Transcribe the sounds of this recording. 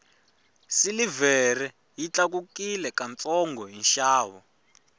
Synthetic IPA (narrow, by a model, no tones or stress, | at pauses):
silivɛrɛ | jit͡ɬak̬ukilɛkant͡sɔŋɡɔɦinʃaːwɔ